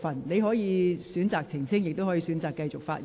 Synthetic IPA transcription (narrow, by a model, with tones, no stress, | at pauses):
fɐ˨˩nle˨˧jɦɔː˨˥jiː˨˧syː˨˥nt͡saː˨k̚t͡sʰɪ˨˩ŋsʰɪ˥ŋjɪ˨k̚t̪o˥wɦɔ˨˥jiː˨˧syː˨˥nt͡saː˨kːɐ˧jt͡sʊ˨k̚faː˧t̚